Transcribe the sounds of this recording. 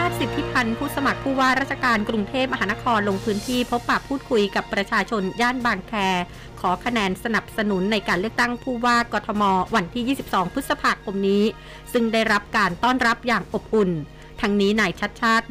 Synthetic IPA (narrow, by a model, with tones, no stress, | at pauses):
aː˥˩t̪̚si˨˩t̪ʰːi˦˥pʰa˧npʰuː˥˩sa˧ma˨˩k̚pʰuː˥˩waː˥˩ɾaː˥t̪̚t͡ɕʰa˧kaː˧nkɾu˧ŋt̪ʰeː˥˩p̚ma˧ɦaː˩˦na˦˥kʰɔː˧nlo˧ŋpʰɯː˦˥nt̪ʰiː˥˩pʰo˦˥pːaː˨˩pʰːuː˥˩t̪̚kʰu˧jka˨˩pːɾa˧t͡ɕʰaː˧t͡ɕʰo˧njaː˥˩nbaː˧ŋkʰɛː˧ | kʰɔː˩˦kʰa˧nɛː˧nsa˧na˨˩p̚sa˧nu˩˦nːa˧jkaː˧nlɯ˥˩ək̚t̪a˥˩ŋpʰuː˥˩waː˥˩kɔː˧t̪ʰɔ˧mɔː˧wa˧nt̪ʰiː˥˩jiː˥˩si˨˩p̚sɔː˩˦ŋpʰɯ˦˥t̪̚sa˧pʰaː˧˩kʰo˧mniː˦˥ | sɯ˥˩ŋdaː˥˩jɾa˦˥p̚kaː˧nt̪ɔː˥˩nɾa˦˥p̚jaː˨˩ŋʔo˨˩p̚ʔu˨˩n | t̪ʰa˦˥ŋniː˦˥naː˧jt͡ɕʰa˦˥t̪̚t͡ɕʰaː˥˩t̪̚